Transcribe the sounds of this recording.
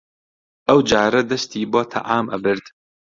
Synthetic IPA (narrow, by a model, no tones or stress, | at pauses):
ʔɐwd͡ʒaːɾɐd̪ɐst̪iːboːt̪ʰɐ̰ʔaːmʔɐbɨɾd̪